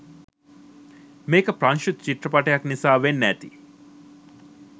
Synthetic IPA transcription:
meːkəpɾanʃut̪t͡ʃiʈrəpaʈɐjaknisaːʋenːæːt̪i

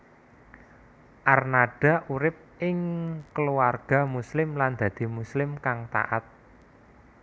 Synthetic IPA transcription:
ʔarnaɖ̥a̤ʔuɾɪp̚ʔɪŋkəluarɡ̥a̤muslɪmland̪̥ä̤d̪̥i̤muslɪmkaŋt̪a̰ʔat̪̚

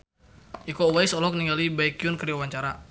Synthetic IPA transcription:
ʔikɔwajsɔlɔk̚niŋɡalibaikiunkəɾiwawaɲt͡ʃaɾa

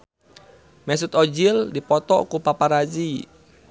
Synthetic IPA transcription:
mɛsut̪ɔd͡ʒildipɔt̪ɔ̰kupapaɾad͡ʒi

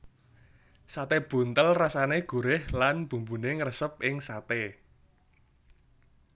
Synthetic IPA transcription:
sat̪eb̥ṳnt̪əlrasaneɡ̥ṳɾɪhlanb̥ṳmbuneŋrəsəp̚ʔɪŋsat̪e

